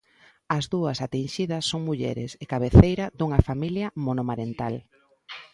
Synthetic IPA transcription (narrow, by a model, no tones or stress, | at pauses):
ɐzðuɐsat̪inʃiðɐsːoŋmuʎɛ̰ɾɪsekaβeθejɾɐðuŋɐfamiljɐmonomaɾent̪al